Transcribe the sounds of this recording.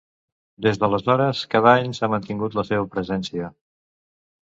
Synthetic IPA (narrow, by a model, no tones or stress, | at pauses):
d̪ezðələzɔɾəskaðaɲsamənt̪iŋɡut̪ləseβəpɾəzɛnsiə